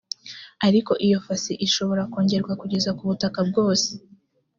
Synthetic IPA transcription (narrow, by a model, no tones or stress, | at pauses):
aɾiko̞ʔijo̞fasiʔiʃo̞βo̞ɾako̞ːɲɟe̞ɾɡwakuɟe̞zakuβutakab̚ɡo̞ːse̥